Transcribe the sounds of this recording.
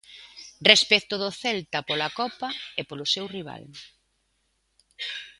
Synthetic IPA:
respɛt̪oðoθɛlt̪ɐpolakɔpɐepolʊsewriβ̞a̰l

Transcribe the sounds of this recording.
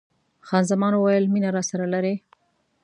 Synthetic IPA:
xɑnzamɑnwajəlminaɾɑsaɾalaɾe

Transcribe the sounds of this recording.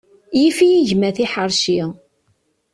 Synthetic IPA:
jifijiʝmæθiħəɾˤʃi

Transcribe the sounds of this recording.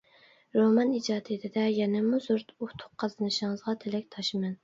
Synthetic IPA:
ɾomɑnid͡ʒɑːt̪ʰet̪ʰɪd̪ɛjɛnɛmuzuɾt̪uht̪ʰʊ̥qqʰːɑzɨnɨʃɪŋəzʁɑt̪ʰelɪk̚ʲt̪ʰɑʃɪmɛn

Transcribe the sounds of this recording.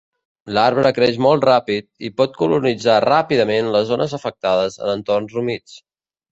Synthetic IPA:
laɾβɾəkɾɛʃmɔlˠt̪rapit̪̚ipɔt̪̚kulunid͡zarapiðəmenləzonəzəfək̚t̪aðəzə̰nənt̪ornzrumit͡s

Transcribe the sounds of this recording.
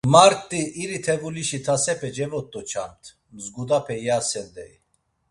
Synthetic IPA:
maɾt̪ʼːiʔːɾit̪ʰɛvuliʃit̪ʰasɛpʰɛd͡ʒɛvɔt̪ʼːɔt͡ʃʰant̪ʰ | mzɡud̪apʰɛjasɛnd̪ɛi

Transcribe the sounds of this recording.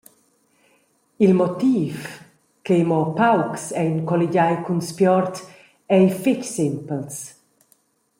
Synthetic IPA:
ilmɔt̪iːf | kejmɔpawksɛjnkɔliɟajkunspjɔɾt̪ | ɛjficsɪmpəls

